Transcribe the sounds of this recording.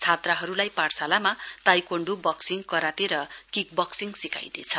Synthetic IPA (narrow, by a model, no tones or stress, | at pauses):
t͡sʰat̪raɦʌɾulajparsalamat̪ajkoɳɖubʌksiŋkʌɾat̪eɾʌkik̚bʌksiŋsika̰jd̪ḛt͡sʰʌ